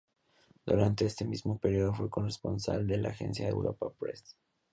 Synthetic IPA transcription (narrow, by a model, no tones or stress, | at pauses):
d̪uɾant̪e̞est̪e̞mizmo̞pe̞ɾjoðo̞fweko̞nrespo̞nsald̪e̞laxe̞̰nsjaðḛwɾo̞̰papɾḛs